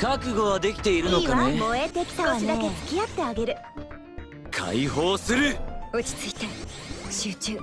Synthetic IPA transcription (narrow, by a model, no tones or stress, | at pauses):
kakɯ̟ɡo̞βad̪e̞kʲi̥t̪e̞iɾɯ̟no̞kamoet̪ekʲi̥t̪aoid̪aket͡sɨ̥kʲiat̪ːe̞aɡe̞ɾɯ̟ | kʰa̰iho̞ːsɨɾɯot͡ɕi̥t͡sɨit̪a | ɕɨːt͡ɕɨː